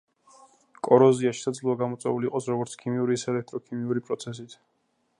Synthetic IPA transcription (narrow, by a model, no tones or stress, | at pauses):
kʼɔɾɔziaʃi̥sad̪zluaɡamɔt̪sʼwɛuliːqʼɔsɾɔɡɔɾt̪sʰkʰimiuɾiːsɛlɛk̚t̪ʼɾɔkʰimiuɾipʼɾɔt̪sʰɛs̬it̪ʰ